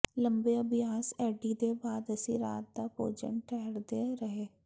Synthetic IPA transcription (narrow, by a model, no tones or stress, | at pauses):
lə̃mbejabjaːsɛːɖid̪ebaːd̪ɐsiɾa̰ːt̪̚d̪apo̰ːd͡ʒə̰nʈʰɛːɾd̪eɾɐɦeː